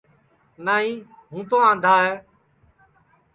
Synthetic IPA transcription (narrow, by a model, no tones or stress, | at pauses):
naːɦĩː | ɦũːt̪oːãːnd̪ʱaːɦeː